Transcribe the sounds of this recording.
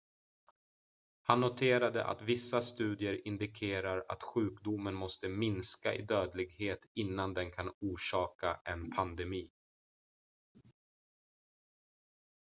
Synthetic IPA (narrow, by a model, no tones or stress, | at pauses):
hanːʊt̪ʰeːɾad̪ə̰ʔa̰t̪vɪsːast̪ʉ̟ːd̪ɪəɾɪnd̪ɪkʰeːɾaɾa̰t̪ɧʉ̟ːkd̪ʊmːənmɔst̪əmɪnskaʔɪ̰d̪øːd̪lɪɡheːt̪ɪnːand̪ɛnkʰanuːʂɑːkaʔɛnpʰand̪ɛmiː